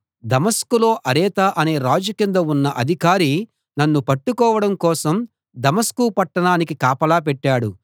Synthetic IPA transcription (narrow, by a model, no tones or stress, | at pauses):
d̪ɐmɐskulo̞ːʔɐɾɛːt̪aːʔɐneːɾaːd͡ʒukind̪ɐunːɐʔɐd̪ʱikaːɾi | nɐnːupɐʈːukɔːʋɐɽɐmkɔːsɐm | d̪ɐmɐskupɐʈːɐɳaːnik̬ikaːpɐlaːp̬ɛʈːaːɽṵ